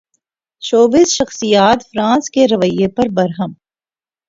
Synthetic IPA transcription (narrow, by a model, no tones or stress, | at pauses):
t͡ʃoːbisʃɐxsijaːt̪fɾãːnskeɾɐʋəjepɐɾbɐɾɦəm